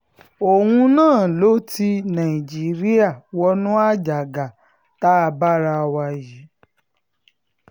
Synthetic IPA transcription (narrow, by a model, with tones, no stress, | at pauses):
o˨wũ˧nãː˦˨lo˨˦ti˧nã˨i˨d͡ʒi˨˦ɾi˦a˦˨wɔ˧˦nũ˦a˦d͡ʒa˨ɡa˨ | ta˦a˧ba˦ɾa˧wa˧ji˨˦